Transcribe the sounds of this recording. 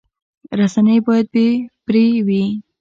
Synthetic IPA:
ɾasanəjbojad̪̚bepɾewi

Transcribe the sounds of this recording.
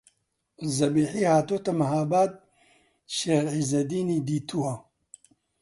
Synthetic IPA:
zɐbiːħihaːt̪oːt̪ɐmɐɦaːbaːd̪̚ | ʃeːɾʕiːzɐd̪iːniːd̪iːt̪ʰuwɐ

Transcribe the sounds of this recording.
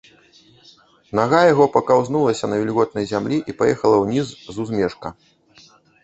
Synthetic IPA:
naɣajaɣɔpɐkawznulˠɐsʲɐnɐvʲilʲɣɔt̪̚nɐjzʲamlʲiʔipajɛxɐlˠɐwnʲizzuzmʲɛʂkɐ

